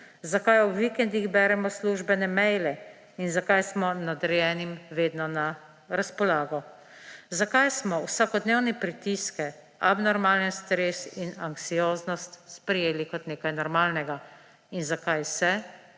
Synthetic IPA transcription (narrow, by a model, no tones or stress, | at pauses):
zakajɔʋikɛnd̪ixbɛːɾɛmɔsluʒbɛnɛmɛjlɛ | inzakajsmɔnad̪ɛɾjɛːnimʋeːd̪nɔna | ɾaspɔlaːɡɔ | zakajsmɔwsakɔd̪neːwnipɾit̪iskɛ | abnɔɾmaːlɛnst̪ɾeːsinaŋksijoːznɔst̪spɾɛjeːlikɔt̪neːkajnɔɾmaːlnɛɡa | inzakajsɛ